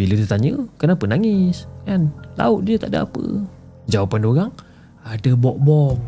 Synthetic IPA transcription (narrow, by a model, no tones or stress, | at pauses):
bilət̪ət̪aɲəkənapənaŋɪsʔɛnla̰ʊt̪̚diət̪aʔdəa̰pə̰ | d͡ʒawapandoɾaŋ | adəbɔʔ̚bɔ